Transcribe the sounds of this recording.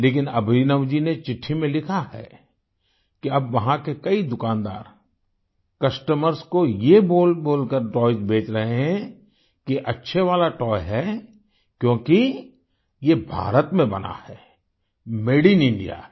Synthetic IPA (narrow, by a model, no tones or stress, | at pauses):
leːkɪnɐbɾiːnəʋd͡ʒinet͡ʃɪʈʰːimẽlɪkʰahɛ̰ː | kiɐbʋɐɦãkekɐid̪ʊkãːnd̪a̰ːɾ | kɐsʈəməɾskojeboːlboːlkəɾʈɔːɪd͡ʒbeːt͡ʃɾɐɦeɦɛ̃ | kiʔɐtːʃʰeʋaːlaʈɔːjɦɛ | kjõːki | jebʱa̰ːɾət̪mẽbɐ̰na̰hɛː | meːɽinɪ̃ɳɖḭja̰ː